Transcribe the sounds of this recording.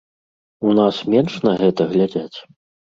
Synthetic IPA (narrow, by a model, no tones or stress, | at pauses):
unasmʲɛnʂnɐɣɛt̪ɐɣlʲad͡zʲat͡sʲ